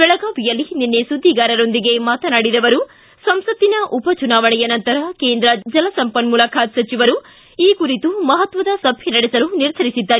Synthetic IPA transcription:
bɛɭɐɡaːʋijɐlːininːesud̪ʱːiɡaːɾɐɾo̞nd̪iɡe̞maːt̪ɐnaːɽid̪ɐʋɐɾu | sɐmsɐt̪ːinɐʔupɐt͡ʃunaːʋɐɳɛjɐnɐnt̪ɐɾɐkeːnd̪ɾɐd͡ʒɐlɐsɐmpɐnmulɐkʰaːt̪sɐt͡ʃiʋɐɾu | iːkuɾit̪umɐɦɐt̪ʋɐd̪ɐsɐbʱjenɐɽesɐluniɾd̪ʱɐɾisid̪ːaːɾi

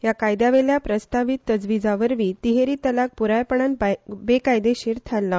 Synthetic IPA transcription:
jakajd̪aʋeljapɾəst̪aʋit̪ːəd͡zʋid͡zaʋəɾʋiːt̪iɦeɾiːt̪əlak̚puɾajpəɳ̃anbbekajd̪eɕiːɾt̪ʰalːa

